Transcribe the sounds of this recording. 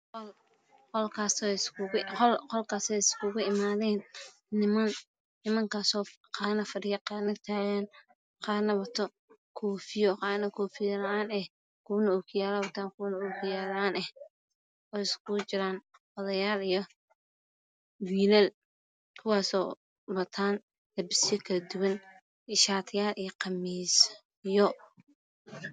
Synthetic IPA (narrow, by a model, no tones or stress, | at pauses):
qɔl | qɔlkʰaːsɔskʰʊɣqɔlqɔlkʰaːsɛjɪskʰʊɣʊɪmaːðɛːn | nɪmɐn | nɪmɐŋkʰaːsɔː | qɑːnɐfɐɖɪjɐqɑːnɐt̪ʰaːɣan | qɑːnɐwɐt̪ʰɔ | kʰɔːfɪjɔqɑːnɐkʰɔːfɪjɐlɐʔaːnɛh | kʰʊnɐɔkʰɪjaːlɐwɐt̪ʰaːŋkʰʊwnɐʊkʰɪjaːlɐaːnɛh | ɔːɪskʰʊt͡ʃɪɾaːn | ɔðɐjaːlijɔ | wiːlɐl | kʰʊwaːsɔː | wɐt̪ʰaːn | lɐbɪsɪjɔkʰɐlɐd̪ʊwɐn | ɪʃaːt̪ʰɪjaːlijɞqɑmiːs | jɔ